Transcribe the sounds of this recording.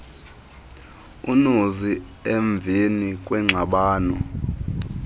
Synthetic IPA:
unozieɱb̪vʱinikʼwɛŋ͡ǁʱaɓaːnɔ

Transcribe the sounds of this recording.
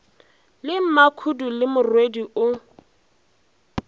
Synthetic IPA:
lɪm̩makʰudulɪmʊrwediʔʊ

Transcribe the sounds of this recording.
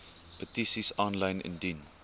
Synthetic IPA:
pətisisɑnlɐjnʔɪ̰ndin

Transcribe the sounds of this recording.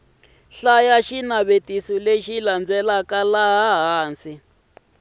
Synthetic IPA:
ɬajaʃinaβetisɔleʃiland͡zɛlakalaɦaɦaːnsi

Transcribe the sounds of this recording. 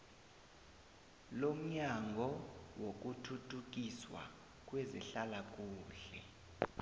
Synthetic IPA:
lom̩ɲaŋɡʱɔwok̬ʼutʰutʰuk̬ʼiswa̰ | k̬ʼwɛziɬalak̬ʼuːɬɛ̰

